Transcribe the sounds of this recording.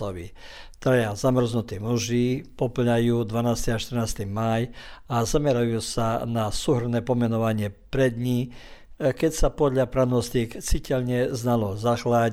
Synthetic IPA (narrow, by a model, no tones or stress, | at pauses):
ɔʋḭt̪ɾajazamr̩znut̪iːmuʒiːpɔpl̩ɲajuːd̪ʋanaːst̪iaʃt̪r̩naːst̪imajazamɛɾajuːsanasuːɦr̩nɛːpɔmɛnɔʋaɲɪɛpɾɛd̪ɲi | kɛcsapɔd̪ʎapɾanɔst̪ikt͡sicɛʎɲɛznalɔzaxla